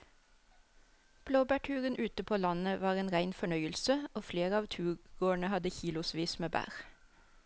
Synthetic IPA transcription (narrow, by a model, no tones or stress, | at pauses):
b̥loːbæʈʰʉːʁənʔʉːt̪əpʰoːlɑnəʋɑːʁeːnʁæɪnfɔɳœʏəlsəoːfleːʁəɑːʋt̪ʰʉːɡoːəɳəhɑd̪əçiːlʊsʋiːsmeːbæ̰ːʁ